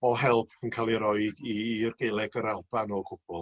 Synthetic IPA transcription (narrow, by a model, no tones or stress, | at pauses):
ɔɦɛlˠpʰənkʰaːlˠiɾɔɨdirɡelˠɛɡəɾalˠb̥anɔkʰʊb̥ɔlˠ